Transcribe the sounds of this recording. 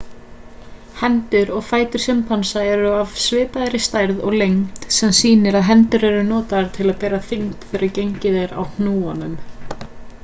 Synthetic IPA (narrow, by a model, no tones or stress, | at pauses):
hɛnt̪ʏɾɔɣfaːjt̪ʏɾ̥sɪmpʰansaɛɾʏav̥svɪːpaðɾɪst̪ajɾðɔɣlejŋt̪sɛmsiːnɪɾaðɦɛnt̪ʏɾɛɾʏnɔːt̪aɾ̥t̪ʰɪlaðpɛːɾaθiŋt̪fɛɾaɾcejɲcɪðeɾa̰wn̥nuːanʏm